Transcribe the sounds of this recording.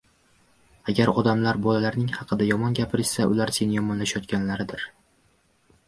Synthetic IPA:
aɡʲaɾɒd̪amlaɾbɒlalaɾnɪŋhɑqʰɨd̪ajɒmɒnɡʲapʰɪɾɪsaʔʊ̰laɾse̞nɪjɒmɒnlaʃajɒt̪̚kʲanlaɾɪd̪ɪɾ

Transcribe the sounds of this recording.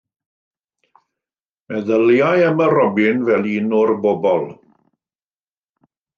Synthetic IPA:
mɛðəljajəməɾɔbɪnvɛlˠiːnɔrboːbɔlˠ

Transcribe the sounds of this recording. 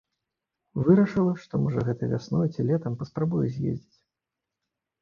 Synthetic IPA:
vɨɾɐʂɨlˠɐʂt̪ɔmɔʐɐɣɛt̪ɐvʲa̰snɔjt͡sʲilʲɛt̪ɐmpɐspɾabujɛzʲjḛzʲd͡zʲit͡sʲ

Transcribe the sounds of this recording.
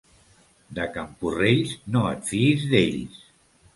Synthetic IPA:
d̪əkampureʎznoə̰t̪fiizðḛʎs

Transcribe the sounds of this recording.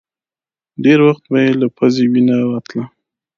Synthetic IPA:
ɖeɾwaxt̪̚bajelapʰazewinawat̪la

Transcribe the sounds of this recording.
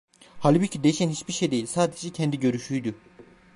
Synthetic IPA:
halʲbucʰid̪e̞jiʃænhit͡ʃbiʃejd̪e̞jilʲsaːd̪ed͡ʒɛcʰɛnd̪iɟø̞ɾyʃyjd̪u

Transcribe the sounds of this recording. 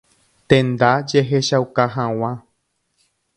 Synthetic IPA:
t̪ẽnd̪ad͡ʒeɦeʃawkaɦãw̃ã

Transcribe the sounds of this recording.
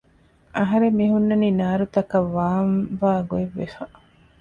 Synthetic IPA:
ʔɐɦɐɾemːiɦunːɐniːnaːɾut̪ɐkɐʋːaːnʋaːɡueʋːḛfɐ

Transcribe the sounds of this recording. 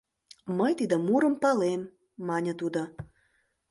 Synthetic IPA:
məjt̪id̪amuɾə̆mpɑlemː | ɑnʲət̪ud̪ə

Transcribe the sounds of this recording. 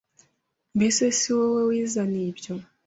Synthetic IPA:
besesiwewewizaniβjo

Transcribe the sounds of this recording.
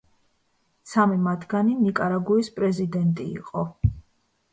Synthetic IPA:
samimat̪ʰɡaninikʼaɾaɡuispʼɾɛzid̪ɛnt̪ʼḭːqʼɔ

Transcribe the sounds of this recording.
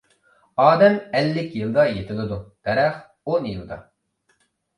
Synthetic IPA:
ɑːd̪ɛmɛlːɪkʲjɨlˠd̪ɑjet̪ʰɪlˠɪd̪ud̪̥ɛɾɛχ | onjɨlˠd̪ɑ̰

